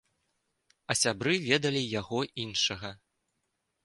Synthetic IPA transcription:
ɐsʲabɾɨvʲɛd̪ɐlʲijaɣɔinʂɐɣɐ

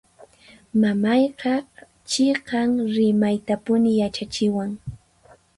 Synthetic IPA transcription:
mamɑjqɑ | t͡ʃɪqɑŋɾɪmajt̪apʊnɪjat͡ʃat͡ʃɪwaŋ

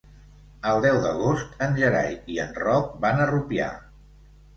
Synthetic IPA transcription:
əlˠd̪ɛwðəɣ̞ost̪ənʲʒəɾa̰jiənrɔk̚banərupia̰

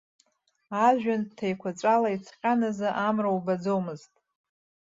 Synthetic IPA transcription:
aʒᶣantʰajkʷʰat͡ʃʷʼalait͡sʰqʲʼanazaʔamrawbad͡zowmɨztʼ

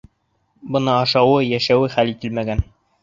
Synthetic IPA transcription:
bɤ̆nɤːʃɑwɤjæʃæwɘχælit̪ɘlmæɡæn

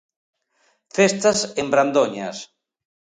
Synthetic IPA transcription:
fest̪asembɾand̪oɲa̰s

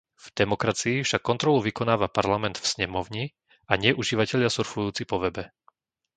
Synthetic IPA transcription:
v̥d̪̥ɛmɔkɾat͡siːfʃakːɔnt̪ɾɔluʋikɔnaːʋapaɾlamɛnd̪̥fsɲɛmɔʊɲi | ʔaɲɪɛʔuʒiːʋacɛʎasuɾfujuːt͡sipɔʋɛbɛ

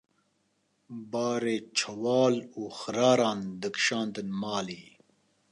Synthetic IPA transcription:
baːɾeːt͡ʃʰɐwaːluːxɾaːɾaːnd̪əkʃãːnt̪ɐnmaːliː

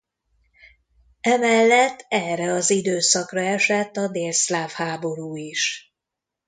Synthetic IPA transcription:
ɛmɛlːɛt̪ʰːɛːrɛɒzid̪øːsɒkrɒɛʃɛt̪ːɒd̪eːlslaːfhaːbo̞ɾuːiʃ

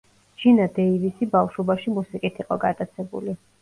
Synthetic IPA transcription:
ʒ̥inad̪ɛivisibafʃɔbaʃimusiqʼit̪ʰiqʼɔɡat̪ʼat̪sʰɛbṵli

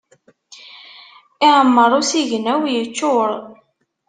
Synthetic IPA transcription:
ɪʕəmːəɾˤʊsiʝənæwjət͡ʃːʊɾˤ

